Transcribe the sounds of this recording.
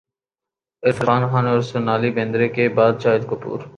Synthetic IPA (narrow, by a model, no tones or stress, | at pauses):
ɪfɾaːnxaːnɔːɾsʊnaːlibẽːnd̪ɾeːkebaːd̪t͡ʃaːɦɪd̪kʊpṵːɾ